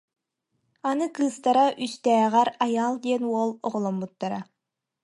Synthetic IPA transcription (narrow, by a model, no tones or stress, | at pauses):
anɯkɯːst̪aɾaʔyst̪ɛːʁæɾajaːlˠd̪iɛnuɔlˠɔʁɔlˠɔmbut̪ːaɾa